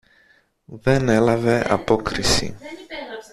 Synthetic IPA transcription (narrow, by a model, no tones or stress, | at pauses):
vɛnɛlavɛʔa̰pokɾɪsḭ